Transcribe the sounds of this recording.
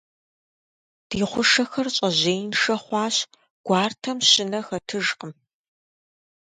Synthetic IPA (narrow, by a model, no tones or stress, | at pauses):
d̥iːχʷʊʂɐxɐrɕʼɐʑeːjnʂɐχʷɑːɕ | ɡ̥ʷɑːrtʰɐmɕɪnɐxɐtʰɨʒqəm